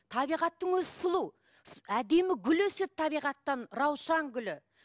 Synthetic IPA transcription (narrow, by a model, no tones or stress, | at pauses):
t̪ʰɑbijʁɑt̪ːəŋwɵzɪsʊlˠu | æd̪e̞mɪɡʲʏlwɵse̞t̪ʰːɑβijʁɑt̪ːɑnɾɑwʃɑŋɡʲʏlɪ